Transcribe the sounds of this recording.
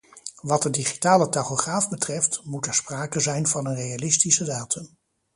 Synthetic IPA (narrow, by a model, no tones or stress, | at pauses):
ʋɑtəndiχitaːlətaχoχraːvbətrɛftmutɛɹspraːkəzɛjnvɑnənrejalɪstisədaːtʰɵm